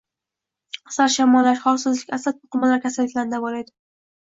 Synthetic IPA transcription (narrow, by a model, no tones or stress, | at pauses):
saɾʃamɒlːaʃχɒlsʊzlɪkʲasat̪̚pʊqʊmalːaɾkʲʰasalːɪkʲlaɾnd̪abɒlajd̪ɪ